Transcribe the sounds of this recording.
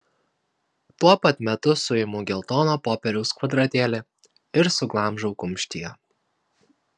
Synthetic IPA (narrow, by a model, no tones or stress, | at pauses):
t̪uɔpɐt̪mʲɛt̪ʊsʊɪmʊɡʲɛlˠt̪oːnoːpoːpʲɛɾʲɛʊskʋɐd̪ɾɐt̪ʲeːlʲe | ɪɾsʊɡlˠɑˑmʒɐʊkʊmʲʃʲt̪ʲijɛ